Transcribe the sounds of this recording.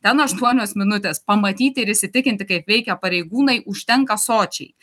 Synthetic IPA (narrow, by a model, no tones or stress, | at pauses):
t̪ʲɛnɐʃt̪uɔnʲoːsmʲɪnʊt̪ʲeːspɐmɐt̪ʲiːt̪ʲɪɪɾɪʃʲsʲɪt̪ʲɪkʲɪnʲt̪ʲɪkɐɪpʋʲɛɪkʲɛpɐɾʲɛɪɡuːnɐɪʔʊʃʲt̪ʲɛŋkɐsoːt͡ʃʲɛɪ